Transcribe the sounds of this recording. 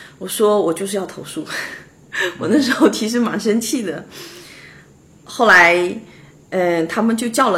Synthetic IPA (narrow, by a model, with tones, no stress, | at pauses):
wɔ˨˩ʂwɔ˥wɔ˨˩t͡ɕjʊʂɻ̩˥˧jɑ˥˩ʊt̪ʰo˧˥ʊʂu˥˩ | wɔ˨˩nə˥˩ʂ̬ɻ̩˧˥xo˥˩ʊt̪ʰi˧˥ʂ̬ɻ̩˥˩ma˧˥nʂə˥nt͡ɕʰi˥˩d̪ə˩ | xo˥˩ʊla˧˥ɪ | ə˥˧t̪ʰa˥mə˨nt͡ɕjo˥˧ʊt͡ɕjɑ˥˩ʊlə˨